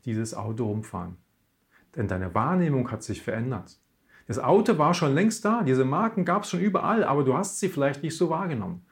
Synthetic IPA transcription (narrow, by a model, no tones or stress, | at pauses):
d̥iːzəsʔa̰ʊtoʁʊmfa̰ːʁən | d̥ɛndaɪnəvaːɐneːmʊŋhatz̥ɪçfɛɐʔɛndɐt | d̥asʔa̰ʊtovaːɐʃoːnlɛŋst̚d̥aːdiːzəmaɐkŋ̩ɡaːpsʃoːnʔyːbɐ̰ʔa̰lʔa̰ːbɐduːhastz̥iːfɪlaɪçtnɪçtz̥oːvaːɐɡənɔ̰mən